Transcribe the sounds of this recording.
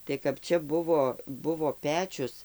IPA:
tɐɪ kɐp ˈt͡ʃʲɛ ˈbʊʋoː ˈbʊʋoː ˈpʲæːt͡ʃʲʊs

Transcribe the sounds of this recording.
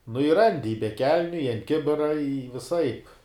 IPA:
nʊ ɪ ˈrɐnʲdʲɪ ɪ bʲɛ ˈkʲɛlʲnʲʊ ɪ ɐnt ˈkʲɪbʲɪrɐ ɪ ʋʲɪˈsɐɪp

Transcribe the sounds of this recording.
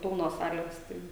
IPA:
ˈpʲɪlˠnoːs ˈsɑːlʲeːs ˈtɐɪ

